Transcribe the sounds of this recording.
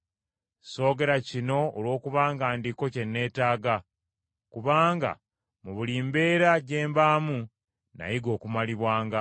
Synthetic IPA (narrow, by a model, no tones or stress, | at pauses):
so̞ːɡe̞ɾacino̞ːlwo̞ːkuβaːŋɡaːndiko̞ce̞nːe̞ːtaːɡa | kuβaːŋɡa̰ | muβuliːmbe̞ːɾaɟe̞ːmbaːmu | na̰jiɡo̞ːkumaliβwaːŋɡa